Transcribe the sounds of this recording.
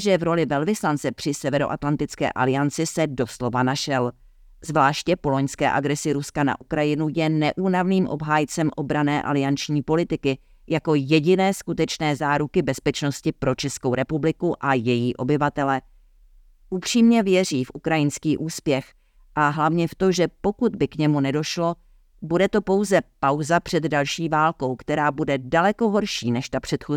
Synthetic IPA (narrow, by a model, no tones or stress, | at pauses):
ʒɛvɾo̞lɪvɛlvɪslant͡sɛpr̥ɪsɛvɛɾo̞ʔat̪lant̪ɪt͡skɛ̰ːʔa̰lɪant͡sɪsɛdo̞slo̞vanaʃɛl | zvlaːʃcɛpo̞lo̞ɲskɛ̰ːʔaɡɾɛsɪɾuskana̰ʔukɾajɪnujɛnɛʔuːnavniːmʔo̞̰bɦaːjt͡sɛmʔo̞bɾanɛːʔa̰lɪant͡ʃɲiːpo̞lɪt̪ɪkɪ | jako̞jɛɟɪnɛːskut̪ɛt͡ʃnɛːzaːɾukɪbɛspɛt͡ʃno̞scɪpɾo̞t͡ʃɛskowɾɛpublɪkuʔajɛjiːʔo̞bɪvat̪ɛlɛ | ʔupr̥iːmɲɛvjɛriːfʔukɾajɪnskiːʔuːspjɛx | ʔaɦlavɲɛft̪o̞ʒɛpo̞kud̪̚bɪkɲɛmunɛdo̞ʃlo̞ | budɛt̪o̞po̞wzɛpawzapr̥ɛd̪dalʃiːvaːlko̞wkt̪ɛɾaːbudɛdalɛko̞ɦoɾʃiːnɛʃt̪apr̥ɛt̪xo